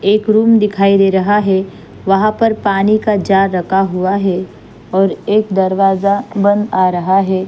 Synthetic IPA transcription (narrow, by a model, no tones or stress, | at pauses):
eːkɾuːmd̪ɪkʰaːid̪eːɾɐɦaɦɛ | ʋɐɦãpɐɾpaːnikad͡ʒaːɾːɐkʰaɦuaɦɛ | ɔːɾeːkd̪ɐɾʋaːzabɐ̃nd̪aːɾɐɦaɦɛː